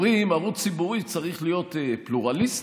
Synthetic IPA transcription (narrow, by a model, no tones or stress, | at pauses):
ʁiːmaʁutt͡sibuʁit͡saʁiχlijo̞t̪epluʁalis